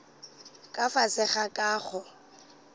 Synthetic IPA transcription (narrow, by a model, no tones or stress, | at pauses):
kʼafasɪχakʼaːχɔ